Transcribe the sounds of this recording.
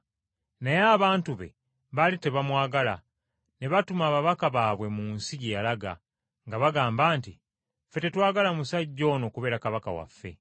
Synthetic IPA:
najaːβaːntuβe̞̰ | βalite̞βamwaːɡala̰ | neβatumaːβaβakaβaːβwe̞muːnsiɟejalaɡa̰ | ŋɡaβaɡaːmbaːnti | fe̞te̞twaːɡalamusaɟːo̞ːno̞ːkuβe̞ːɾakaβaka̰wa̰fːe̞̰

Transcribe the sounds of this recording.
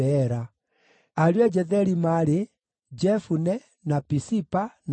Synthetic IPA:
ɛɾa | aɾwɛd͡ʒɛðɛɾimaɾe | d͡ʒɛfunɛ | napisipan

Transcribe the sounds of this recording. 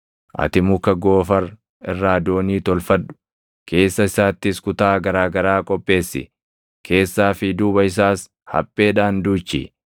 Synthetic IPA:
ʔɐ̰t̪ɪmʊkːɐɡo̞ːfɐɾ | ɪrːaːd̪o̞ːniːt̪ɔlfɐᶑʊ̥ | kʰe̞ːsːɐɪsaːt̪ːɪskʊt̪aːɡɐɾaːɡɐɾaːkʼɔpʼːe̞ːsːɪ̰ | kʰe̞ːsːaːfɪd̪ʊbɐɪs̬aːs | hɐ̰pʼːe̞ːᶑaːnd̪uːt͡ʃːḭ

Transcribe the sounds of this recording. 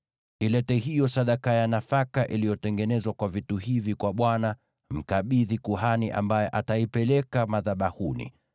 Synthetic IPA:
ilɛtɛhijɔsaɗakajanafakaʔilijɔtɛŋɡɛnɛzwakwavituhivikwaɓwana | m̩kaɓiðikuɦaniʔa̰mbajɛʔataipɛlɛkamaðaɓahunḭ

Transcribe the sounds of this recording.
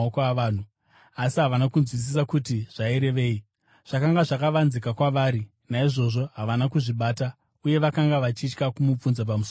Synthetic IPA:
okʋaːn̤u | asiɦaʋanakunzwis̬isakutiʐ̥aiɾe̞ʋe̞ːi | ʐ̥akaŋɡaʐakaʋanzikakwaʋaːɾi | naiʐo̞ʐo̞ɦaʋanakuʐiɓaːta | uje̞ʋakaŋɡaʋat͡ʃit͡ʃkakumup͡funzap̬amuso

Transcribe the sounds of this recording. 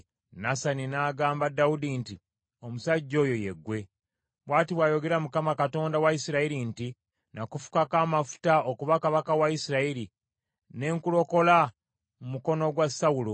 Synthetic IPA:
nasaninaːɡaːmbadːaudinti | o̞musaɟːo̞ːjo̞je̞̰ɡwe̞ | βwaːtiβwajo̞ɡe̞ɾamukamakato̞ːndawaisiɾaiɾinti | nakufu̥kakaːmafu̥taokuβakaβakawaisiɾaiɾi | ne̞ːŋkulo̞ko̞la | mumuko̞no̞ɡwasaulo

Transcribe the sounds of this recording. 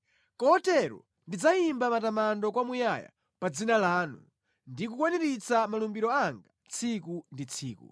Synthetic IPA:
kɔɔtɛɾɔ̰ | ndid͡zaimbamatamandɔk̬wamujaja̰ | pad͡zinalaːnṵ | ndikukwaniɾit͡samalumbiɾɔaŋɡa | t͡sʰikundit͡sʰiːkṵ

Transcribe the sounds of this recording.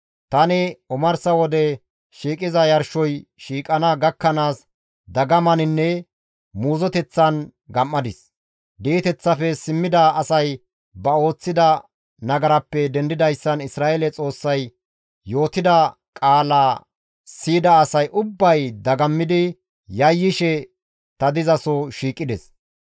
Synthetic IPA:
t̪ɐnɪʊmɐɾsɐwɔd̪ɛ | ʃiːkʼɪzɐjɐɾʃɔjʃiːkʼɐnɐɡɐkːɐnaːs | d̪ɐɡɐmɐnɪnːɛ | muːzɔt̪ɛt͡sːɐnɡɐmːɐd̪ɪs | d̪iːt̪ɛt͡sːɐfɛsɪmːɪd̪ɐːsɐj | bɐo̞ːt͡sːɪd̪ɐ | nɐɡɐɾɐpːɛd̪ɛnd̪ɪd̪ɐjsːɐnɪsɾaːelɛt͡sʼo̞ːsːɐj | jo̞ːt̪ɪd̪ɐ | kʼaːlaː | siːd̪ɐːsɐjʔʊbːɐjd̪ɐɡɐmːɪd̪ɪ | jɐjːɪʃɛ | t̪ɐd̪ɪzɐsɔʃiːkʼːɪd̪ɛs

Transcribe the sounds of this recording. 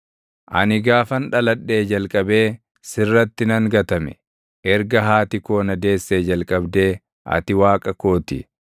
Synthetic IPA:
ʔɐ̰nɪɡaːfɐnᶑɐlɐɗːe̞ːd͡ʒɐlkʼɐbe̞ː | sɪrːɐt̪ːɪnɐŋɡɐt̪ɐmɛ̰ | ʔɛɾɡɐɦaːt̪ɪko̞ːnɐd̪e̞ːsːeːd͡ʒɐlkʼɐbd̪e̞ː | ʔɐ̰t̪ɪwaːkʼɐko̞ːt̪ɪ̰

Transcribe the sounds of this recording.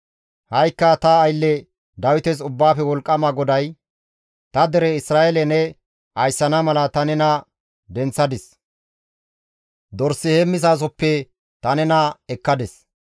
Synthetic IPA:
hɐjkːɐt̪ɐːjlːɛ | d̪ɐwɪt̪ɛs̬ʊbːaːfɛwɔlkʼːɐmɐɡɔd̪ɐj | t̪ɐd̪ɛɾɛɪsɾaːelɛnɛ | ʔɐjsːɐnɐmɐlɐt̪ɐnɛnɐ | d̪ɛnt͡sːɐd̪ɪs | d̪ɔɾsːɪhɛmɪsaːs̬ɔpːɛ | t̪ɐnɛnɐɛkːɐd̪ɛs

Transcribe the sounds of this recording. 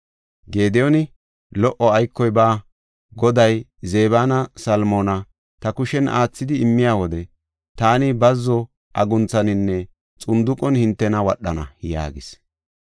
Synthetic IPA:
ɡe̞ːd̪ɛjɔnɪ | lɔʔːɔɐjkːɔjbaː | ɡɔd̪ɐj | ze̞ːbaːnɐsɐlmoːnɐ | t̪ɐkʊʃɛnʔa̰ːt͡sːɪd̪ɪɪmːɪjaːwɔd̪ɛ | t̪aːnɪbɐzːɔ | ʔɐɡʊnt͡sːɐnɪnːɛ | t͡sʼʊnd̪ʊkʼːɔnhɪnt̪ːɛnɐwɐɗːɐnɐ̰ja̰ːɡɪs

